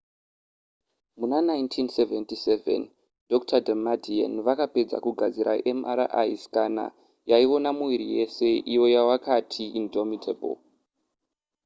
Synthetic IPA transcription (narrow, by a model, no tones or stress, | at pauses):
munanaintʰinseventisevḛn | dʱo̞k̚tʰadʱamadʱia̰nʋakape̞d͡za̰kuɡʱad͡ziɾʔa̰ʔemaɾa̰ʔajiskana̰ | jaiwo̞namuiɾije̞se̞ʔijo̞jawakatʰiindʱomitʰebo̰l